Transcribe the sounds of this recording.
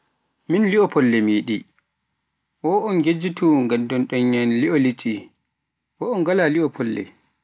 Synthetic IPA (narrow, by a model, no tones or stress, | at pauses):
minliɔpʰɔlːɛmiːɗi | wɔɔnɡed͡ʒituŋɡadɔnɗɔɲːanliɔlit͡ʃʰi | wɔɔnɡalaliɔpʰɔlːɛ̰